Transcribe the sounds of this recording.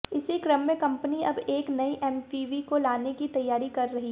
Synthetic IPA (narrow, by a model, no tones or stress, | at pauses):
ɪsekɾəmːə̃kɐ̃mpəniɐbeːknɐiʔɛmpiʋikolaːnekit̪ɐjːaːɾikɐɾːɐɦi